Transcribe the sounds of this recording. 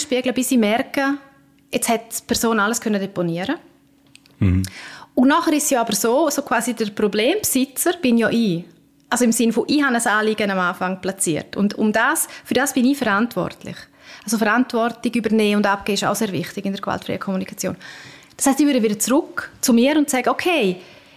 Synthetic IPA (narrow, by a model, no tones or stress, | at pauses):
ʃpiəɡləbɪsiːmɛrkə | ɛt͡shɛtpʰɛɾsoːnaləskʰœnədɛponiəɾə | ʊnnɔχəɾɪssjɔːabəɾsoːsoːkʰv̥aːsidəɾprobleːmpsɪt͡səɾb̥ɪnjɔːʔiː | ʔalsoɪmsɪnfoʔiːhanəsaːliɡənamaːfaŋplat͡siːəɾtʊ̰ndʊ̰mdaːsfʏɾdaːsb̥ɪniːfəɾantvɔ̰rtlɪ̰χ | als̬ofəɾantvɔrtɪɡybəɾneːʊndap̚ɡ̥eːɪʃa̰ʊseːɾvɪ̰χtɪɡɪndəɾɡv̥a̰ltfɾɛ̰jəkʰomunikʰat͡sjo̰ːnd̥ashaɪstiːvʏɾdəvɪdət͡srʊkt͡sumiːəɾʊntsɛɡəokʰeɪ